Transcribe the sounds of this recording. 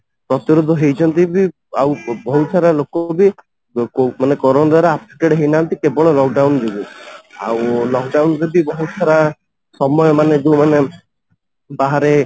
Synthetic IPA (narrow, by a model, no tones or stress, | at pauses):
pɾɔt̪iɾod̪ʱɔɦejt͡ʃʰɔnt̪ibi | awbɔɦut̪sʰaɾalokɔbi | omanekɔɾɔnd̪aɾaapsi̥ʈeɽɦejnaːnt̪ikebɔɭɔlɔkɖawndebia̰wlɔkɖawnɾebibɔɦut̪sʰaɾa | sɔmɔjɔmaned͡ʒ̪uwmane | baɦaɾe